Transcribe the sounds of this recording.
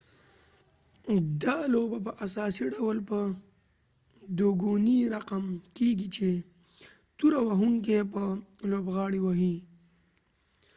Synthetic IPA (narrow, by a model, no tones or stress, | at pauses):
d̪ɑlobap̬əʔasɑsiɖawlpə | d̪oɡuniɾaqamkeɡit͡ʃe | t̪uɾawaɦuŋk̬ep̬əlobɣɑɽiwaɦi